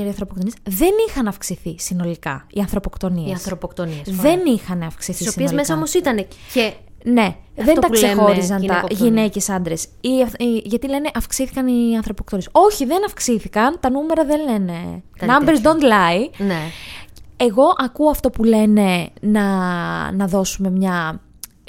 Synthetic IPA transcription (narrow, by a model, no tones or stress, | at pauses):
ɐɾiɐnθɾopokt̪onisðe̞nixɐnɐfksiθisino̞likɐ̰iɐnθɾo̞pokt̪o̞nieɐsθɾopokt̪oniðe̞nixɐnɐfksiθisosiiezmesɐomosit̪ɐnece | ne̞ðenɐksexo̞ɾizs̬ɐnt̪ɐʝine̞ce̞sɐnd̪ɾe̞s | iɐʝɐt̪ile̞ne̞ʔɐfksiθi̥kɐniɐnθɾopok̚t̪onieso̞çiðe̞nɐfksiθikɐnt̪ɐnume̞ɾɐðe̞le̞ne̞nɐmbeɾzd̪ond̪lɐine | eɣo̞ʔɐkuoɐft̪o̞pule̞ne̞nɐnɐðo̞sume̞mɲɐ